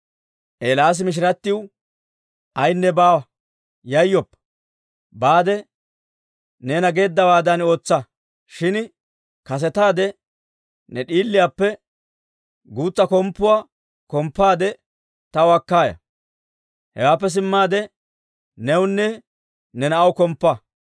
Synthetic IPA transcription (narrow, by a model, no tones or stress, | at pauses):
ʔeːlaːs̬ɪmɪʃ̬ɪɾɐt̪ːɪw | ʔɐjnːɛbaːwɐ | jɐjːɔpːɐ̥ | baːd̪ɛ | neːnɐɡe̞ːd̪ːɐwaːd̪ɐno̞ːt͡sːɐ | ʃɪn | kɐs̬ɛt̪aːd̪ɛ | nɛɗiːlːɪjaːpːɛ | ɡuːt͡sːɐkɔmpːʊwaː | kɔmpːaːd̪ɛ | t̪ɐwɐkːaːjɐ̰ | hɛwaːp̬ːɛs̬ɪmːaːd̪ɛ | nɛwʊnːɛ | nɛnɐɐwkɔmpːɐ